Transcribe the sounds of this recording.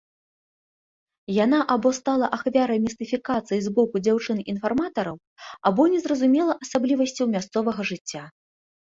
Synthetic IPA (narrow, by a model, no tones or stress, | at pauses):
janaʔabɔst̪alˠɐʔaxvʲaɾɐjmʲist̪ɨfʲikat̪sɨjizbɔkud͡zʲawt͡ʂɨninfarmat̪ɐɾɐw | abɔnʲɛzɾɐzumʲɛlˠɐʔɐsablʲivɐsʲt͡sʲiwmʲast̪sɔvɐɣɐʐɨt͡sʲːa